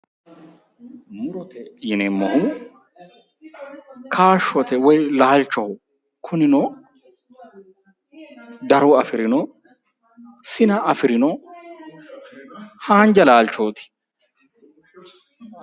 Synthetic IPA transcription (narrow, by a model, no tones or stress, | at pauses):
mʊɾɔt̪ɛjɪnɛmːɔhʊ | kʰaːʃːɔt̪ɛwɔjlaːlt͡ʃːɔhʊ | kʰʊnɪnɔ | d̪ɐɾɔɐfɪɾɪnɔ | sɪnɐɐfɪɾɪnɔ | haːnd͡ʒɐlaːlt͡ʃːoːt̪ɪ̥